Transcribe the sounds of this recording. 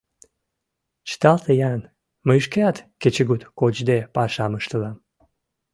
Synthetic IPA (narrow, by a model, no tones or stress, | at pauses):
t͡ɕə̥t̪ɑlt̪əjɑn | məjʃkeɑt̪ket͡ɕəɡut̪kot͡ɕd̪epɑʃɑməʃt̪əlɑm